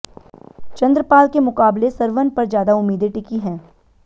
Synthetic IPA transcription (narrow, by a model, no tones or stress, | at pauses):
t͡ʃɐ̃nd̪ɾəpaːlkemʊqaːblesɐɾʋənpɐɾzjaːd̪aʊmːiːd̪eʈɪkiɦɛ̃ː